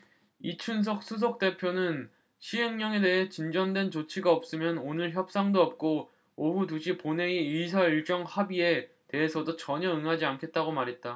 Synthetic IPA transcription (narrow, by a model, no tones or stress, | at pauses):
it͡ɕʰuns̬ʰʌk̚s͈ʰus̬ʰok̚t͈e̞pʰjonɯn | ɕʰieŋɲʌŋe̞de̞ɦe̞t͡ɕind͡ʑʌndwe̞nt͡ɕot͡ɕʰiɡaʌp̚s͈ɯmjʌnonɯɭçjʌp̚s͈aŋdoʌp̚k͈o | oɦutuɕʰipone̞iisʰaiɭt͡ɕ͈ʌŋhabie̞ | te̞ɦesʰʌdot͡ɕʌɲʌɯŋɦad͡ʑiankʰe̞t̚t͈aɡomaɾɦe̞t̚t͈a